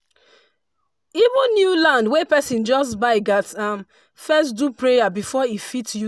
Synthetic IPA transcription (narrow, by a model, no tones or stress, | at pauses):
ivũnnjulãndwepɛsĩnd͡ʒɔsbaɪɡatãn | fɛstdupɹejabifɔifitju